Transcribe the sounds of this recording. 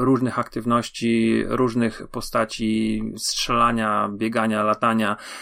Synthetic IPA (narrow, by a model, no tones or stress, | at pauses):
ɾuʐnɘxakt̪ɘvnɔɕt͡ɕiɾuʐnɘxpɔst̪at͡ɕistʂɛlaɲabʲjɛɡaɲalat̪aɲa